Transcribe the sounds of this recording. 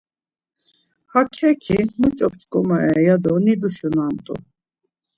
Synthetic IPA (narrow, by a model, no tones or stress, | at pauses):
hakʰɛkʰimut͡ʃʼɔp̚t͡ʃʼkʼɔmaɛjad̪ɔnid̪usunamt̪ʼṵ